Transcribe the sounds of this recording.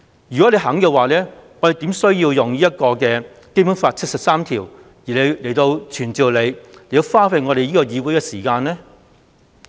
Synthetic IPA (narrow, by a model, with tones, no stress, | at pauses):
jy˨˩kɔ˨˦˥le˧ɦɐ˨˥ŋkɛː˧waː˨˩lɛː˥ŋɔː˨˧ɾe˨jt̪iː˨˥msɵ˥ɥjiː˧wjʊ˨ŋliː˥jɐ˥t̚kɔː˧kɛː˧ | ke˥pu˨˥nfaː˧t̚t͡ʃʰɐ˥t̚sɐ˨p̚saː˥mt̪ʰiː˨˩w | jiː˨˩le˨˧jle˨˩jt̪o˧wt͡ʃʰyː˨˩nt͡siː˨wle˨˧jle˨˩jt̪o˧wfaː˥fe˧jŋɔː˨˧ɾe˨jiː˥kɔː˧jiː˨˧wuː˨˥jkɛː˧siː˨˩kaː˧nlɛː˥